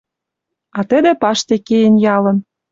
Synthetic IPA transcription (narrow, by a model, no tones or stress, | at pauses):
ɑt̪ə̆d̪ĕpɑʃt̪ekejenjɑlə̆n